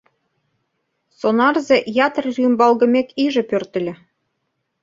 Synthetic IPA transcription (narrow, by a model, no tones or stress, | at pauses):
sonɑrzĕʔjɑt̪ərrymbɑlˠɣɤ̆mʲekiʒĕpørt̪ɘ̆lʲɘ̆